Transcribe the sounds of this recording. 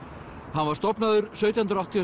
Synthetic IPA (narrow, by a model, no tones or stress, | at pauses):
hanvaɾ̥st̪ɔpnaðʏɾsœːɥt̪jahʏnɾawht̪ʰia